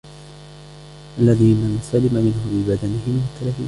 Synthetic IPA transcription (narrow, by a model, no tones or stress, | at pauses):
ʔalːaðiːnansalːɪmamɪnhʊbɪbad̪anɪɦɪmmʊt̪ʰːalahiː